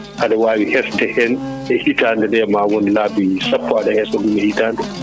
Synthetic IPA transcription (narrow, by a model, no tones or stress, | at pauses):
ʔaɗawaːwihɛstɛhɛn | ɛhitaːndɛdɛmawonilaːbisapːɔaɗɛhɛsɔdumɛhitaːndɛ